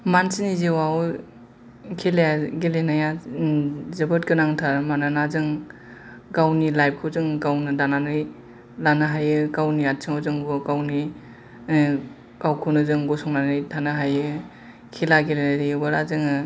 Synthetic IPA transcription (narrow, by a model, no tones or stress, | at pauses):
mansinizewaw | kʰelejaɡelenaja | zɯbɯt̚kɯnaŋtʰaɾmananazɯŋ | ɡawnilajb̚kʰozɯŋɡawnɯdananɯj | lanaɦajɯkawniat̚sɯŋɔzɯŋɡokawni | kawkʰonɯzɯŋɡɔsɔŋnanɯjtʰanaɦajɯ | kʰelaɡelenazɯjɯbaɾazɯŋɯ